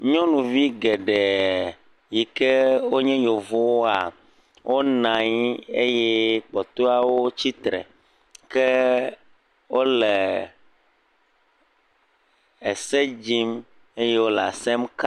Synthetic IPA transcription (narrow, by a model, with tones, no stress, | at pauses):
ɲɔ̃˦nũ˨vi˦ɡɛ˨ɖɛ˨ | ji˨ke˦wo˦ɲɛ̃˦jo˨vo˦wo˦a˨ | wʔo˦nã˨ɲ˦e˦jɛ˦k͡pɔ˨t̪o˦a˨wo˦t͡ɕi˦t̪ɾɛ̰˨ | ke˦ | wo˦lɛ˨ | e˨se˦d͡ʑi˦m | e˦je˦wo˦la̰˨sɛ˦mka˦